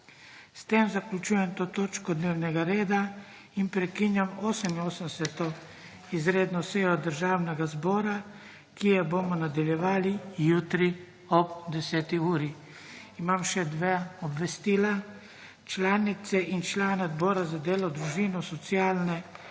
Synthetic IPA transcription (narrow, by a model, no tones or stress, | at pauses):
st̪emzaklʲut͡ʃuːjɛmt̪oːt̪oːt͡ʃkɔd̪neːwnɛɡaɾeːd̪a | inpɾɛkinjamoːsəminoːsənsɛt̪ɔ | izɾeːd̪nɔseːjɔd̪əɾʒaːwnɛɡazbɔːɾa | kijɛbomɔnad̪aljɛʋaːlijuːt̪ɾi | ɔpd̪ɛsɛːt̪iuːɾi | imamʃɛd̪ʋeɔbʋɛst̪iːla | t͡ʃlaːnit̪sɛʔint͡ʃlaːnɛd̪bɔːɾazad̪eːlɔd̪ɾuʒinɔsɔt̪siaːlnɛ